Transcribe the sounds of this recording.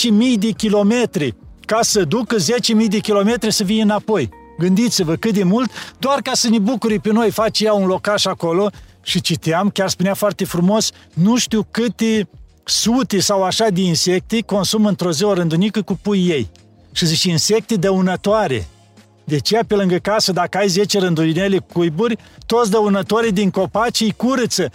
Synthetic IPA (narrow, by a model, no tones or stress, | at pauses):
t͡ʃemijd̪ekʲilo̞me̞t̪ɾikasəd̪ukəzet͡ʃemijd̪ekʲilo̞me̞t̪ɾisəvinəɨnapo̞j | ɡɨnd̪it̪sivəkɨt̪̚d̪emult̪d̪oarkasənebukuɾipeno̞jfat͡ʃjaunlo̞kaʃako̞lo̞ | ʃit͡ʃit̪eamkʲarspuneafoart̪efɾumo̞snuʃt̪iwkɨt̪e | sut̪esawaʃad̪einse̞k̚t̪eko̞nsumɨnt̪ɾozeoɾɨnd̪unikəkupujːej | ʃizit͡ʃinse̞k̚t̪ed̪əunət̪oaɾḛ | d̪eat͡ʃejape̞lɨŋɡəkasəd̪akəajze̞t͡ʃeɾɨnd̪uinelekujburʲt̪ot̪s̬d̪əunət̪aɾid̪iŋko̞pat͡ʃejkuɾət̪sə